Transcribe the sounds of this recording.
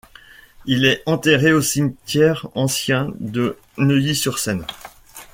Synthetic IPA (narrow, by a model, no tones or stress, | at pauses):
ilɛɑ̃t̪eʁeosiɲt̪jɛʁɑ̃sjɛ̃d̪ə | nəjisyʁsɛn